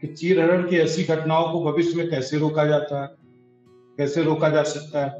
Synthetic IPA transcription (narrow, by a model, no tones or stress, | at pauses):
kɪt͡ʃiːɾɦɐɾəɽkeɛsiɡʱɐʈnaːõkobʱɐʋɪʃjmẽkɛːseɾoːkad͡ʒaːt̪aɦɛː | kɛːseɾoːkad͡ʒaːsɐk̚t̪aɦɛː